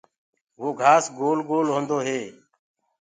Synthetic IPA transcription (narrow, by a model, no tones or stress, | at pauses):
ʋoːɡʱaːsɡoːlɡoːlɦõːnd̪oːɦeː